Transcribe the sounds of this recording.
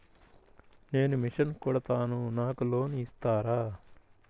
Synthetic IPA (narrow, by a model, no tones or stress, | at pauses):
ne̞ːnumiʂɐnkuɽɐt̪aːnunaːkulo̞ːniist̪aːɾaː